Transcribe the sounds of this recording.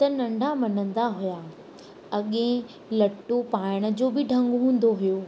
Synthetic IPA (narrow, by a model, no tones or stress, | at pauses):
t̪ɐnɐ̃ɳɖʱamɐnə̃nd̪aɦuja | ɐɠẽ | lɐʈːopaːɪɽ̃ə̆d͡ʑoːbɪɖʱɐ̃ŋɡɦũːn̆d̪oɦʊjoː